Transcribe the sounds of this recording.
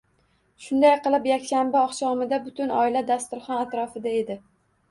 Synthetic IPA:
ʃʊnd̪ajqɨlˠɪpjakʲʃambaɒχʃɒmɪd̪abʊt̪ʰʊnɒ̰ɪlad̪ast̪ʊɾχɒnat̪ɾɒfɪd̪ae̞d̪ɪ

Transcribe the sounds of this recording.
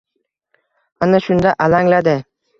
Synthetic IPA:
anaʃʊnd̪aʔalaŋlad̪ɪ

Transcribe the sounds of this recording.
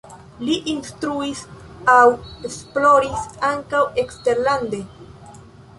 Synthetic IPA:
liʔinstɾuis | awesplo̞ɾisaŋkawekste̞ɾlande

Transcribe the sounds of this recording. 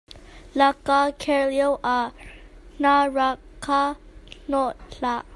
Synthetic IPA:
lakakʰɛɹljowʔa | naɹakʰanɔɬa

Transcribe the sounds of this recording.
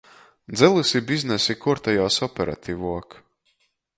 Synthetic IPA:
d̪zɛlˠusibiznɛsikuɾt̪ajɔːsɔpʲɛɾa̰t̪ʰʲivuɔk

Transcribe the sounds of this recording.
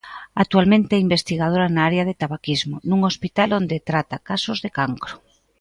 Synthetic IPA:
ak̚t̪ualmẽnt̪eɛimbest̪iɣað̞oɾanaaɾeaðet̪aβakizmonuŋospit̪alond̪et̪ɾat̪akasozðekaŋkɾo

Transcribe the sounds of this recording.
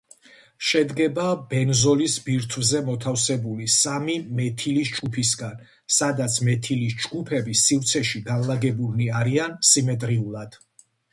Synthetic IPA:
ʃɛd̪ɡɛbabɛnzɔlisbiɾt̪ʰvzɛmɔt̪ʰafsɛbulisamimɛt̪ʰilisd͡ʒɡupʰisɡan | sad̪at̪sʰmɛt̪ʰilisd͡ʒɡupʰɛbisift̪sʰɛʃiɡanlˠaɡɛbulniaɾiansimɛt̪ʼɾiulˠad̪̥

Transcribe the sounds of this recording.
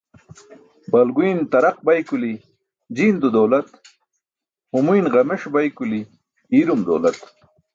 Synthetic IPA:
bɐlɡujnt̪ɐɾaq̚bajkuli | d͡ʑind̪ud̪owlɐt̪ | humujnʁɐmeʂbajkuli | iɾumd̪o̰wlɐt̪

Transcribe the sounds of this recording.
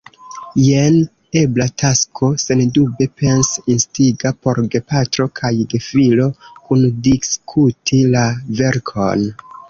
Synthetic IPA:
jen | e̞blatʰaskʰo̞se̞ndube̞pe̞nsinstiɡapo̞ɾɡe̞patɾo̞kʰajɡe̞filo̞kundiskʰutʰilave̞ɾkʰo̞̰n

